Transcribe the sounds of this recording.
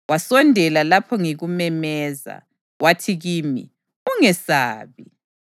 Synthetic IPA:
wasɔndʱɛlalapʰɔŋiɣumɛmɛːza̰ | watʰiɣiːmḭ | uŋɛsaːβi

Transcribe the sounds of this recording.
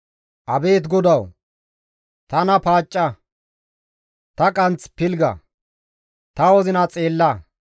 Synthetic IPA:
ʔɐbe̞ːt̪ɡɔd̪ɐw | t̪ɐnɐpaːt͡ʃʼːɐ | t̪ɐkʼɐnt͡spɪlɡɐ̰ | t̪ɐwɔzɪnɐt͡sʼe̞ːlːɐ

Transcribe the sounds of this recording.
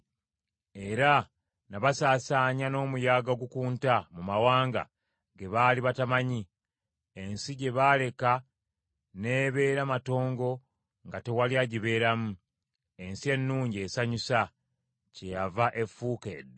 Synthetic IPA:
e̞ɾa | naβasaːsaːɲano̞ːmujaːɡoɡukuːntamumawaːŋɡa̰ | ɡe̞βaliβatamaɲi | e̞nsiɟe̞βaːle̞ka | ne̞ːβe̞ːɾamato̞ːŋɡo̞ | ŋɡate̞waljaɟiβe̞ːɾamu | e̞nsie̞nːuːɲɟie̞saɲusa | cejavaʔe̞fːuked

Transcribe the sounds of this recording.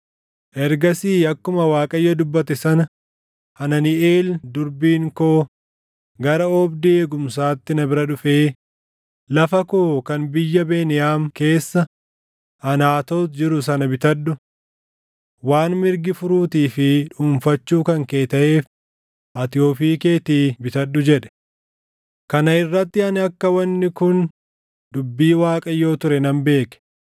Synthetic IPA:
ʔɛɾɡɐsiːɐkːʊmɐwaːkʼɐjːɐd̪ʊbːɐt̪ɛsɐnɐ | hɐnɐnɪʔeːld̪ʊɾbiːŋkoː | ɡɐɾɐɔːbd̪ɪeːɡʊms̬aːt̪ːɪnɐbɪɾɐᶑʊfeː | lɐfɐkoːkɐnbɪjːɐbe̞ːnɪjaːmke̞ːsːɐ | ɐnaːt̪oːt̪d͡ʒɪɾʊs̬ɐnɐbɪt̪ɐd̪ːʊ | waːnmɪɾɡɪfʊɾuːt̪iːfɪᶑuːɱfɐt͡ʃːuːkɐŋke̞ːt̪ɐʔeːf | ʔɐt̪ɪjoːpiːke̞ːt̪iːbɪt̪ɐᶑːʊd͡ʒɛᶑɛ̥ | kɐnɐɪrːɐt̪ːɪɐnɪɐkːɐwɐnːɪkʊn | d̪ʊbːiːwaːkʼɐjo̞ːt̪ʊɾɛnɐmbe̞ːkɛ̥

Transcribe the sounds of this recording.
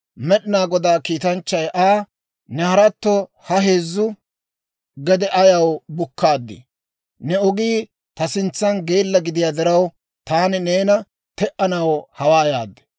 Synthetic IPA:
mɛɗɪnaːɡɔd̪aːkiːt̪ɐnt͡ʃːɐjʔaː | nɛhɐɾɐt̪ːɔ | hɐɦeːzːʊ | ɡɛd̪ɛʔɐjɐwbʊkːaːd̪ːɪ̰ | nɛɔɡiː | t̪ɐsɪnt͡sːɐnɡe̞ːlːɐɡɪd̪ɪjaːd̪ɪɾɐw | t̪aːnɪne̞ːnɐ | t̪ɛʔɐnɐwhɐwaːjaːd̪ːɛ̥

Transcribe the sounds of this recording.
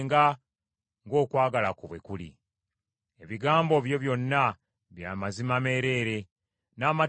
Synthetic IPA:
ŋɡa | ŋɡo̞ːkwaːɡalakuβwe̞̰kulḭ | e̞βiɡaːmbo̞βjo̞βjo̞nːa | βjaːmazimame̞ːɾe̞ːɾe̞ | naːma

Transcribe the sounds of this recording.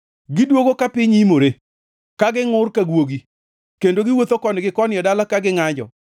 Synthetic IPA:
ɡɪdwoɡokapɪɲimoɾe | kaɡɪŋʊrkaɡwoɡi | kendoɡɪwot̪okɔnɪɡɪkɔnjɔdalakaɡɪŋaɲd͡ʒɔ̰

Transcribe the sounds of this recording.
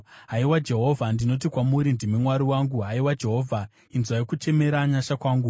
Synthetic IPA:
ɦaiwad͡ʒe̞ɦo̞vʱandino̞tikwamuɾindimimwaɾiwaŋɡuɦaiwad͡ʒe̞ɦo̞ːvʱa | inzwajekut͡ʃe̞me̞ɾaɲaʃakwaːŋɡu

